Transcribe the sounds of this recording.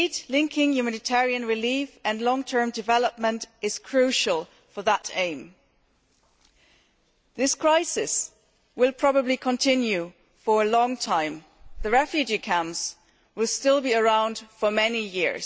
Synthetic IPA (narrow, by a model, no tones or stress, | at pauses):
idlɪ̃ŋkʰɪ̃ŋjʉmænɨtʰɛɹiɨ̃nɹɨlifɨ̃nlɔ̃ŋtʰɜ̃˞mdɨvɛlˠəp̚mə̃ntʔɨz̥kʰɹ̥ʉʃəl̩ˠ | fə˞ðəɾẽɪ̃m | ðɪskʰɹ̥aɪsɪs | wɪlˠpʰɹ̥ɑbəblikʰə̃ntʰɪ̃njʉ | fə˞əlɔ̃ŋtʰãɪ̃m | ðɨɹɛfjʉd͡ʒikʰæ̃mz̥ | wɪlˠstɪlˠbiə˞ãʊ̃nd̥fə˞mɛnijɪ̰ɹz̥